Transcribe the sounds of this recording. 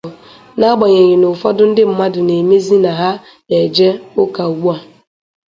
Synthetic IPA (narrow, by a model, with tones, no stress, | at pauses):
na˦ɡ͡bɔ˨ɲe˨ɲɪ˨nʊ˨fɔ˦dʊ˦n̩˦dɪ˦m̩˨ma˦dʊ˨ne˨me˦zi˦na˨ɦa˦ | e˨d͡ʒe˦ʊ˦ka˨u˨wu˦a˨